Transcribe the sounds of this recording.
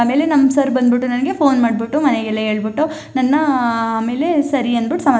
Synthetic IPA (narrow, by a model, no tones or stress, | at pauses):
aːme̞ːlenɐmːsɐɾbɐnd̪biʈːunɐnɐɡe̞pʰo̞ːnmaːɖbiʈːumɐneɡɛlːɐɦe̞ːɭbiʈːu | nɐnːɐaːme̞ːle̞sɐɾiɐnd̪biʈːu̥sɐma